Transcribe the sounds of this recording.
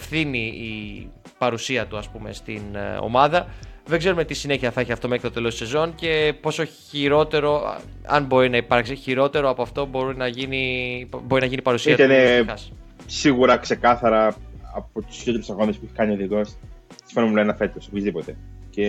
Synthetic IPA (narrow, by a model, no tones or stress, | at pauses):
fθiniː | pɐɾusiɐt̪uɐspume̞̰st̪ino̰mɐðɐðeɡze̞ɾumet̪isine̞çiɐθɐeçiɐft̪o̞mexkɾit̪ot̪e̞lo̞st̪se̞zo̞nce̞po̞so̞ | iɾo̞t̪e̞ɾo̞̰ | ɐ̰nbo̞ɾinɐipɐɾksiçiɾo̞t̪e̞ɾo̞ɐpo̞ɐft̪o̞bo̞ɾinɐʝiniboɾinɐʝinipɐɾusiɐt̪t̪ɐneɐs | siɣuɾɐkse̞kɐθɐɾɐɐpot̪u̥sot̪eɾusɐɣonespueçe̥kɐnioðikos | i̥fonomulɐnɐfe̞t̪osopizðipot̪e̞ce